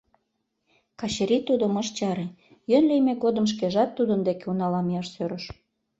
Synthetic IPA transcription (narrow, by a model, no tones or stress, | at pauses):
kɑɕeɾit̪ud̪əməʃt͡ɕɑɾe | jønlejmeɡod̪əmʃ̬keʒɑt̪ːud̪ənd̪ekeunɑlɑmijɑʃsøɾəʃ